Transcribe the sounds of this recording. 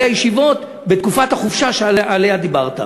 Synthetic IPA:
ajeʃivo̞t̪ | bet̪kufat̪haχufʃaʃeaalead̪ibaʁt̪a̰

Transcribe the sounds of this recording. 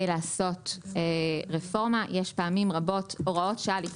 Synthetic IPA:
laːso̞teʁefo̞ʁmajeʃpaːmimʁabo̞toʁao̞tʃaali

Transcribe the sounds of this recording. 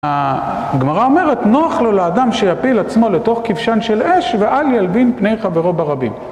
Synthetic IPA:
a | ɡmaʁao̞me̞ʁetno̞aχlo̞leːdamʃejapilat͡smo̞leto̞χkivʃanʃe̞le̞ʃveʔaljalbinpne̞jχaveʁo̞baʁabim

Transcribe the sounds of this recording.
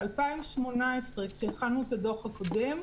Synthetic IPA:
alpaimʃmo̞naesʁekʃeːχanuetadoχhako̞de̞m

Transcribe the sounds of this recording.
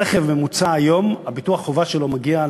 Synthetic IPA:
eχevmemut͡saːjo̞mabituaχχovaʃelo̞maɡia

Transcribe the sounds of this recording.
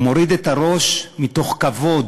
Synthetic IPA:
mo̞ɾid̪et̪aʁo̞ʃmit̪o̞χkavo̞d̪

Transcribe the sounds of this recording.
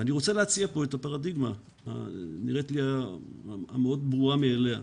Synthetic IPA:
aniʁo̞t͡seleat͡siapo̞etapaʁadiɡma | a̰niʁetlia | ameo̞dbʁuameːle̞a̰

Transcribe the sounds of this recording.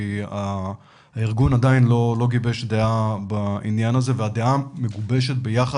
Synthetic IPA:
ia | iʁɡunadainlo̞lo̞ɡibe̞ʃd̪eabainjanaze̞vead̪eame̞ɡube̞ʃet̪̚be̞jaχa

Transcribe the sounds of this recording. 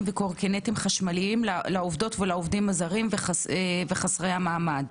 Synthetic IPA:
mvekoʁkenetimχaʃmaliimlalaovdo̞tvelaovdimazaʁimveχaeveχasʁeamaːmad

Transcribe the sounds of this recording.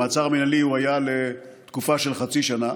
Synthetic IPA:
at͡saʁminaliuajalet̪kufaʃe̞lχat͡siʃana

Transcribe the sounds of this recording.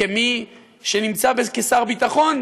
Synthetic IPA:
emi | ʃenimt͡sabekesaʁbit̪aχo̞n

